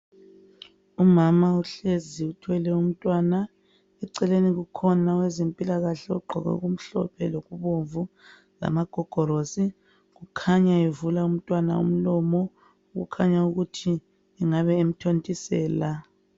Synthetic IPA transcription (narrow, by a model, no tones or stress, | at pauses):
umamauɬeziutʰwɛlɛum̩tʼwaːna | ɛǀɛleniɣukʰɔnawɛzempʼilaɣaɬɛɔ̰ɡ͡ǃʱɔ̰ɣɛ̰ɣum̩ɬɔ̰pʰɛloɣuβoɱvu | la̰maɡ̥ʱɔɡ̥ʱɔɾosi | ɣukʰaɲaevulaum̩tʼwana̰ṵm̩lɔmɔ | uɣṵkʰaɲauɣutʰi | ɛŋaβɛem̩tʰontʼisɛːla